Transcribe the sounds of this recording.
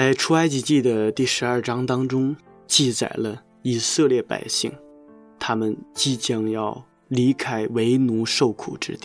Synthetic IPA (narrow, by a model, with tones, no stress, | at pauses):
t͡sa˥˧ɪʈ͡ʂʰu˥a˥ɪt͡ɕi˧˥t͡ɕi˥˩d̪ə˩t̪i˥˩ʂɻ̩˧˥ɐ˞˥˩ʈ͡ʂɑ˥ŋt̪ɑ˥ŋʈ͡ʂʊ˥ŋ | t͡ɕi˥˩t͡sa̰˨˩ɪlə˦ | i˨˩sɤ˥˧ljɛ˥˩pa̰˨˩ɪɕi˥˩ŋ | t̪ʰa˥mə˨nt͡ɕi˥˩t͡ɕjɑ˥˩ŋjɑ˥˩ʊ | li˧˥kʰa˥ɪwe˧˥ɪnu˧˥ʂo˥˩ʊkʰṵ˨˩ʈ͡ʂɻ̩˥t̪i˥˩